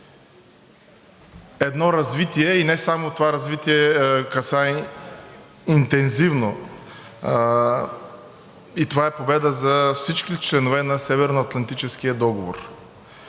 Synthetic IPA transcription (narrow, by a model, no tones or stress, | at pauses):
ɛd̪nɔɾɐzvit̪iɛinɛsamot̪ovaɾɐzvit̪iɛkɐsa | int̪ɛnzivno | it̪ovaɛpobɛd̪əzɐfsit͡ʃkit͡ʃlɛnovɛnɐsɛvɛɾnoɐt̪lˠɐnt̪it͡ʃɛskijəd̪ɔɡovo̰ɾ